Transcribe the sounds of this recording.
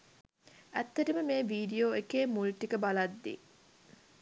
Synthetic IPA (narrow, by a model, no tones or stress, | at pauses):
æt̪ːɐʈəməmeːʋiːɖijoekeːmulʈikəbalad̪ːḭ